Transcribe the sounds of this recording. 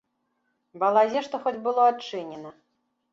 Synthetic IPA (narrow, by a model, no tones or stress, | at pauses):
bɐlˠazʲɛʂt̪ɔxɔd͡zʲbɨlˠɔatt͡ʂɨnʲɛnɐ